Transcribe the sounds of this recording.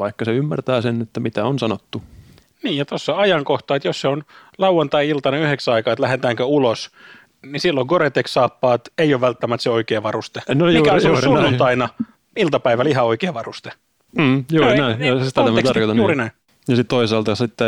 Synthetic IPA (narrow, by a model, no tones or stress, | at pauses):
ʋɑikːɑseymːært̪æːsenet̪ːæmit̪æonsɑnot̪ːu | niːjjɑt̪osːɑɑjɑŋkoht̪ɑːet̪josseonlɑwːɑnt̪ɑiilt̪ɑneyheksɑikɑːet̪læhet̪æːŋkøulos | nisilːoŋɡ̥oret̪ːekssɑːpːɑːt̪eioːʋʋælt̪ːæmæt̪seoikeːʋɑrust̪enoikæseonsunːunt̪ɑinɑ | ilt̪ɑpæiʋælihɑoikeːʋɑrust̪e̥ | m̩ːjunːnæijɑsit̪ææmt̪ɑrkot̪ɑnjuːrinæi | jɑsit̪t̪oisɑlt̪ɑsit̪ːe